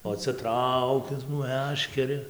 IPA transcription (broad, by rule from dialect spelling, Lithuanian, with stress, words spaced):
oː ˈt͡sʲɛ ˈtrɐʊkʲɛs ˈmʲæʃʲkʲɛrʲɪ